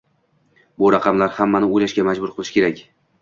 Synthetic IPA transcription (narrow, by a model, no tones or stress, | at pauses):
bʊɾɑqʰɑmlaɾhamːanɪojlaʃɡʲamad͡ʒbʊɾqʰɨlˠɪʃkʲʰe̞ɾakʲ